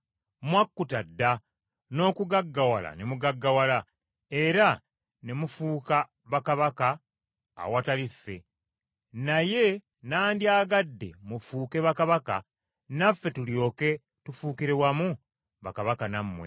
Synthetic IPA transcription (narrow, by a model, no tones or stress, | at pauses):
mwakːutadːa | no̞ːkuɡaɡːawala̰nemuɡaɡːawala | e̞ɾa | nemufuːka | βakaβaka̰ː | watalifːe̞ | naje̞ | naːndjaːɡadːe̞̰mufuːke̞βakaβaka̰ | nafːe̞tuljo̞ːke̞ | tufuːkiɾewamu | βakaβakanamːwe̞̰